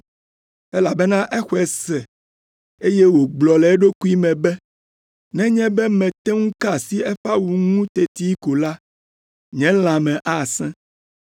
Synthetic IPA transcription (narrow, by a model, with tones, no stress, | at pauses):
ɛ˦la˨bɛ˦nã˦ʔɛ˦xɔ˦ɛ˨sɛ˨ | e˦jɛ˦wo˨ɡ͡blɔ˨lɛ˨˦ɖo˦ku˦i˦mɛ̃˨bɛ˦ | nɛ̃˦ɲɛ̃˦bɛ˦mɛ̃˨t̪ɛ˦ŋũ˦ka˦˨si˦ɛ˦ɸa˦wu˨ŋũ˦t̪ɛ˨t̪i˦ko˨la˦ | ɲɛ̃˦l̃ã˨mɛ̃˨ʔa˦˨sɛ̃˦